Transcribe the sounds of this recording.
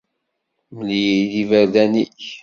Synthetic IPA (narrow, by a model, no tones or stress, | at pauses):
məljiðivəɾðæniç